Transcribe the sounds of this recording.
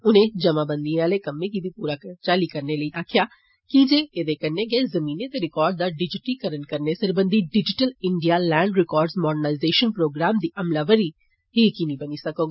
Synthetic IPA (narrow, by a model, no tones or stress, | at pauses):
ʊnẽd͡ʒɐmabə̃nd̪iaːlekɐmːik̬ibʱipuːɾat͡ʃaːlikɐɾneləiʔaːkʰja | kid͡ʒeed̪ekɐɾneɡəezɐmiːnet̪eɾɪkɔːɾɖ̚d̪aɖɪd͡ʒɪʈikəɾənkɐɾnesɐɾbə̃nd̪iɖɪd͡ʒɪʈəlɪ̃ɳɖijalɛ̃ːɳɖɾɪkɔːɾɖzmɔːɖənaːɪzeːʃənpɾoːɡɾaːmd̪iʔɐmlaʋəɾi | ɦikinĩbɐnisɐkoːɡa